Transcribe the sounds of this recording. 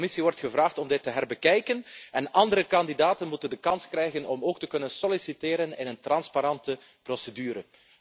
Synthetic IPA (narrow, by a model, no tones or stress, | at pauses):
mɪsiʋɔrtxəvraːxtɔmdɪtːəɦɛrbəkɛjkənʔɛnɑndəɾəkɑndidaːtənmutəndəkɑnskrɛjɣənɔmoːktəkɵnənsɔlisiteːɾənɪnəntrɑnspaɾɑntə | prosedyːɾə